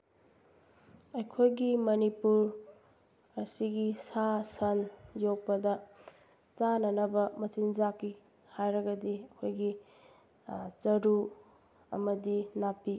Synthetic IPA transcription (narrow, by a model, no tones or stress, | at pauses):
ɐjkʰojɡimɐnipuɾ | ɐsiɡisasɐnjok̚pɐdɐ | t͡ʃanɐnɐbɐmɐt͡ʃind͡ʒakːi | hajɾɐɡɐdiɐkʰojɡi | t͡ʃɐɾu | ɐ̰mɐdinapːi